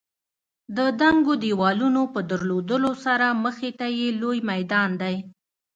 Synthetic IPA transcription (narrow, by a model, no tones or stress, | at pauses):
d̪əd̪aŋɡod̪iwɑlunopəd̪əɾlod̪əlosaɾaməxet̪ajelojmajd̪ɑnd̪aj